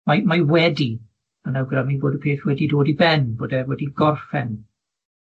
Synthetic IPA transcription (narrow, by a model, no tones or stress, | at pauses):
majmawɛdi | m̥anawɡramiboːdəpʰeːθwɛdidoːdibɛnboːdɛwɛdiɡɔrfɛn